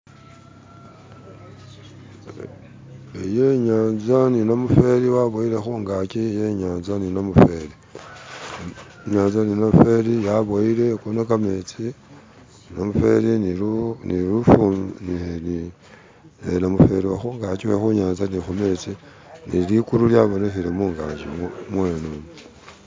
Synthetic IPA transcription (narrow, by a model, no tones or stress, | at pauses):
ejeɲaːnzaninamufe̞ɾiwaβoilexuŋɡakijeɲaːnzaninamufe̞li | ɲaːnzaninamufe̞lijaβoile̞konakame̞t͡si | nnamufe̞ɾiniuniɾufumniheni | enamufe̞ɾiwaxuŋɡaciwexuɲaːnzanixumet͡si | nilikuɾuljaβonexiɾemuːŋɡa̰ːɲʒimmwenun